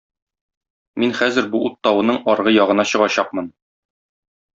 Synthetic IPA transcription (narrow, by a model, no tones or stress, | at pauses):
minχæzɘ̆ɾbuut̪ːɑwɤ̆nɤɴɒɾʁɤjɒʁɤ̆nɑɕɤ̆ʁɑɕɑqmɤn